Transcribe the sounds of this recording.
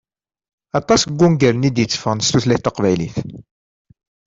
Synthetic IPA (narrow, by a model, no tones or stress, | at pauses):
ɑt̪ˤɑsɡʷːunɡəɾnid̪jət͡sːfəʁnst̪uθlæθt̪ːəqvæjlḭθ